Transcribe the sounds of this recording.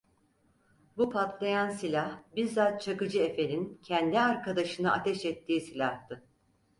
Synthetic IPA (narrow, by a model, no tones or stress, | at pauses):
bupʰat̪lˠajansilʲahbiɾzat̪̚t͡ʃʰakɯd͡ʒɯe̞fe̞nincʰɛnd̪iaɾkʰad̪aʃɯnɯʔat̪ʰɛʃɛt̪ʰːiːsilʲaht̪ɯ